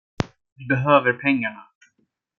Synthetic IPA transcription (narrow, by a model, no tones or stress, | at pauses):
dɪbɛɦøːvəɾpʰɛŋːaɳa